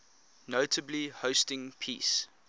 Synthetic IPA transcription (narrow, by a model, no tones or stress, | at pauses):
notʰəblihoʊstɪ̃ŋpʰḭːs